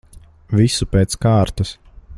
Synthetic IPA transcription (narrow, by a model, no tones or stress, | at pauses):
visupeːt̪skaːɾt̪ɐs